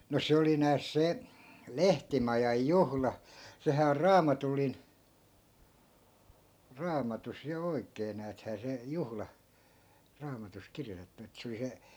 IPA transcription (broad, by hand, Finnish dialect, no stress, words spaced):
no se oli næːs se lehtimɑjɑj juhlɑ sehæː or rɑːmɑtulːin rɑːmɑtus jɑ oi̯kˑeː næːthæː se juhlɑ rɑːmɑtus kirjotetːu et se oli se